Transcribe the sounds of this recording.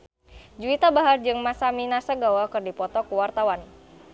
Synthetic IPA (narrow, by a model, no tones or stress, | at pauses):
d͡ʒuit̪abaɦard͡ʒɨŋmasaminasaɡawakɨrdipɔt̪ɔkuwart̪awan